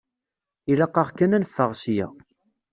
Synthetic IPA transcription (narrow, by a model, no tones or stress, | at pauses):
ilɑqːɑʁkːænænəfːəʁsjæ̰